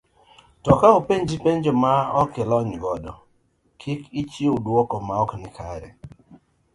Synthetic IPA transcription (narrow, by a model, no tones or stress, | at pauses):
tɔkaopeɲd͡ʒipeɲd͡ʒomaɔkɪlɔɲɡɔdɔ | kʰɪkit͡ʃiodwɔkɔmaɔknɪkʰa̰ɾɛ̰